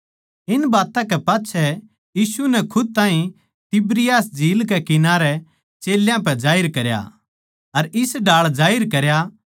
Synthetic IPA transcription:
ɪnbaːt̪ãkɛpaːtːt͡ʃʰɛ | jiːsunɛkʰʊd̪̚t̪ãːɦĩ | t̪ɪbɾɪjaːsd͡ʒʱiːlkɛkɪnaːɾɛ | t͡ʃeːljãp̬ɛd͡ʒaːɪɾkɐɾja̰ | ɐɾɪsɖaːɭd͡ʒaːɪɾkɐɾja

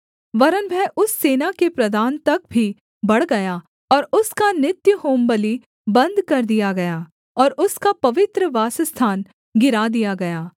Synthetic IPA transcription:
ʋɐɾənbʱɛʔʊsːeːnakepɾɐd̪aːnt̪ɐk̚bʱi | bɐɽɡɐja | ɔːɾʊskanɪt̪jəhoːmbəli | bɐ̃nd̪kɐɾd̪ijaɡɐjaː | ɔːɾʊskapɐʋɪt̪ɾəʋaːsəst̪ʰaːn | ɡɪɾaːd̪ijaɡɐjaː

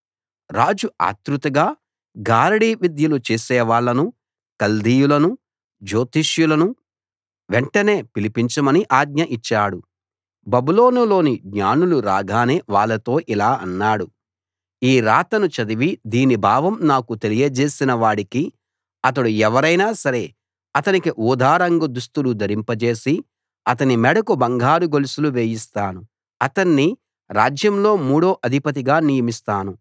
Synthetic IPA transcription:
ɾaːd͡ʒua̰ːt̪ɾut̪ɐɡaː | ɡaːɾɐɽiːʋid̪jɐlut͡ʃeːsɛːʋaːɭːɐnu | kɐld̪ijulɐnu | d͡ʒo̞ːt̪iʂjulɐnu | ʋeɳʈɐne̞ːpilipiɲt͡ʃɐmɐniʔaːɡ̚ɲɐʔit͡ʃːaːɽu | bɐbulo̞ːnulo̞ːniɡɲaːnuluɾaːɡaːneːʋaːɭːɐt̪o̞ːʔilaːɐnːaːɽu | iːɾaːt̪ɐnut͡ʃɐd̪iʋid̪iːnibʱaːʋɐmnaːkut̪elijɐd͡ʒe̞ːsinɐʋaːɽiki | ɐt̪̬ɐɽuɛʋɐɾɐjnaːsɐɾe̞ː | ɐt̪ɐnikiʔuːd̪ʱaːɾɐŋɡɐd̪ust̪ulud̪ʱɐɾimpɐt͡ʃe̞ːsi | ɐt̪̬ɐnimɛɽɐkubɐŋɡʱaːɾuɡolisuluʋeːjist̪aːnu | ɐt̪ɐnːi | ɾaːd͡ʒjɐmlo̞ːmuːɽo̞ːʔɐd̪ʱipɐt̪̬iɡaːnijɐmist̪aːnu

